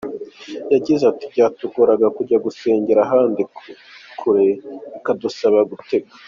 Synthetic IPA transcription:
jaɟizatibɟaːtuɡoɾaɡakuɾɟaɡuse̞ːɲɟeɾaɦaːndikʰuɾe̞ikadusaβaɡute̞ɡa

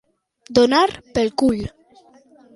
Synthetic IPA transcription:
d̪onaɾpelkuʎ

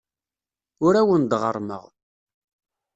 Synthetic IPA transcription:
ʊɾæwənd̪ʁə̰ɾˤmə̰ʁ

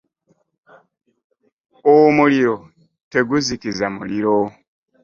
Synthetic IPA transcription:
omuliɾo̞ | te̞ɡuzikizamṵliɾo̞

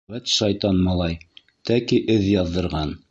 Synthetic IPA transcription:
æt̪ʃɑjt̪ɑnmɑlˠɑj | t̪ækiʔɘðjɑðːɤ̆ɾʁɑn

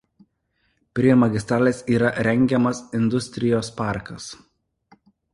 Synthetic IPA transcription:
pʲɾʲiɛmɐɡʲɪst̪ɾaːlʲeːsiːɾɐʔɾʲɛŋʲɡʲɛmɐsɪnd̪ʊsʲt̪ʲɾʲɪjoːspɑˑɾkɐs

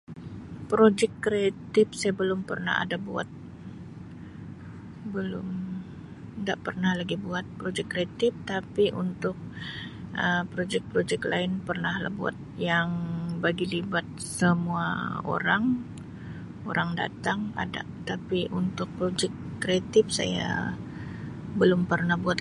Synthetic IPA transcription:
pɾod͡ʒɛkːɾeat̪ɪp̚sajabəlʊmpə̰rna̰ha̰dabua̰t̪̚ | bəlʊm | ŋɡaʔpərnahlaɡibuat̪̚pɾod͡ʒɛkːɾeat̪ɪp̚t̪apiʔṵnt̪ʊk̚ | əpɾod͡ʒɛk̚pɾod͡ʒɛklʔaɪnpərnahla̰bua̰t̪̚jaŋbaɡilibat̪̚səmua̰o̰ɾaŋ | o̰ɾaŋda̰t̪aŋa̰da̰ʔt̪apiʔunt̪ʊk̚pɾod͡ʒɛkːɾeat̪ɪp̚sa̰ja̰ | bəlʊmpərnahbuat̪

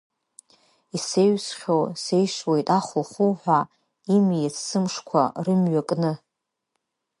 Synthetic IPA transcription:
ise̞ɥsχʲowse̞jʂwe̞jtʼaχuχuwħʷᶣa | imjet͡ssɨmʂkʷʰa̰rɨmɥakʼnɨ

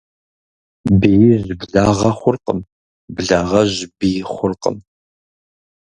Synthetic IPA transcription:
bijɪzbɮaːʁɐχʷʊrqə̰m | bɮaːʁɐʑbijɪχʷʊrqə̰m

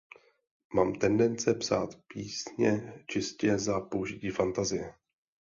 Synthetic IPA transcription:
maːmt̪ɛndɛnt͡sɛpsaːt̪piːsɲɛt͡ʃɪscɛzapo̞uʒɪciːfant̪azɪjɛ

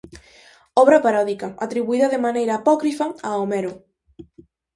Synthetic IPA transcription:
ɔβɾɐpaɾɔðikɐat̪ɾiβuiðɐðemanejɾɐːpɔkɾifɐaomeɾʊ

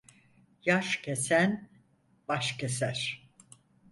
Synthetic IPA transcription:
jaʃcʰesæn | baʃcesæɾ̥

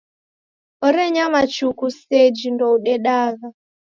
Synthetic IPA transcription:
ɔɾɛɲamat͡ʃukusɛd͡ʒindɔuɗɛɗaɣa

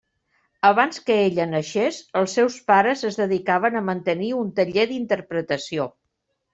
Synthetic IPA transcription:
əβanskəeʎənəʃesəlˠsːɛwspaɾəzəzðəðikaβənəmənt̪əniunt̪əʎeðint̪əɾpɾət̪əsio

